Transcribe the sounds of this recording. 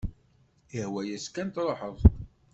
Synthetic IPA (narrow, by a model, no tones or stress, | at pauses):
əhwæjæskænt̪ɾˤoħəðˤ